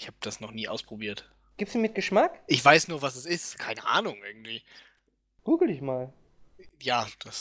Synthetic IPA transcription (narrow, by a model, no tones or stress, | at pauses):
ɪçhaːbəd̥asnɔχniːʔa̰ʊspʁ̥obiːɐt | ɡ̥iːp̚tsduːmɪt̚ɡ̥əʃmakʔɪçv̥aɪsnuːɐvasɛsɪstkʰaɪnəʔa̰ːnʊŋʔɪɐɡŋ̩tv̥iː | ɡ̥uːɡl̩dɪçmaːl | jaːd̥as